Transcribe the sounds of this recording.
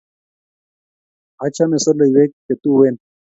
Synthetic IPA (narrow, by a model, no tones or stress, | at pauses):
ɐt͡ɕʰamesɐlɐjwek̚ːet̪uweːn